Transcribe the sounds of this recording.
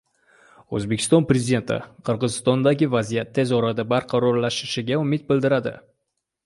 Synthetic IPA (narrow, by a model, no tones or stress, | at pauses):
ɵ̰zbekʰʲɪ̥st̪ɒnpɾezʲid̪e̞nt̪ʰɪ̰qʰɨɾʁɨzɪst̪ɒnd̪aɡʲɪvazijat̪ʰːe̞zɒɾad̪abaɾqʰɑɾɒɾlaʃɪʃɪɡʲaʊmɪt̪̚bɪld̪ɪɾad̪ɪ̰